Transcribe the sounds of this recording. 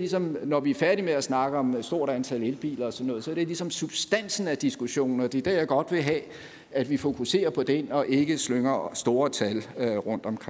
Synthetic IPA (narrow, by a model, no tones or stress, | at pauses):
lisɒ̽mnɒʋiæɐfæɐɾimeæsnɑ̈ɡ̥əɒ̽msd̥o̝ɐ̰ɾ̥ænt͡sʰæle̝lb̥ḭːlɐɒsɒnːɔ̽ðˠsɒ̽æɐɾ̥e̝lisɒ̽msub̥sd̥æn̰sn̩æd̥isɡ̥uɕo̝̰ːn̩ɒ̽d̥e̝d̥æ̰jɑ̈ɡ̥ɒ̽d̥ʋe̝ɦɛː | æd̥ʋifo̝kʰuse̝̰ːɐpʰɒ̽d̥enɒ̽ʔe̝ɡ̥əsløŋɐsd̥o̝ːɐt͡sʰælʁɔ̽n̰d̥ɒ̽mkʰ